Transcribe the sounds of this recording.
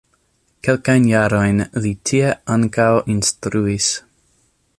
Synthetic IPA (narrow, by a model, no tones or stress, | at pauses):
kelkajnjaɾo̞jnlitʰieaŋkawinstɾuis